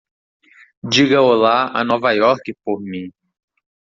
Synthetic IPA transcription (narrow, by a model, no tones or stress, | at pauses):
d͡ʒiɡɐolaa̰nɔvajɔɾkɪpoɾmĩ